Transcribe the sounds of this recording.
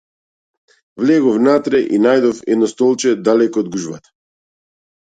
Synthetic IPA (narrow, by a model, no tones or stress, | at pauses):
vlɛɡɔfnat̪ɾɛʔinajd̪ɔfɛd̪nɔst̪ɔlˠt͡ʃɛd̪alɛkɔːd̪ɡuʒvat̪ḁ